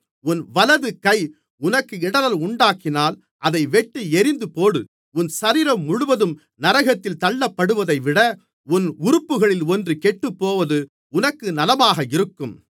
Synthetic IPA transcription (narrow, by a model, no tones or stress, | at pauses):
ʊnʋɐlɐðɯkɐɪ | ʊnɐkːɯɪɽɐlɐlʊɳɖaːkɪnaːl | ʔɐðɐɪʋɛʈːɯɛɾɪnd̪ɯpoːɽɯ | ʊnsɐɾiːɾɐmːʊɻʊʋɐðɯm | nɐɾɐɣɐt̪ːɪlt̪ɐɭːɐpːɐɽɯʋɐðɐɪʋɪɽɐ | ʊnʊɾɯpːɯɣɐɭɪlɔndrɯkɛʈːɯpːoːʋɐðɯ | ʊnɐkːɯnɐlɐmaːɣɐɪɾɯkːɯm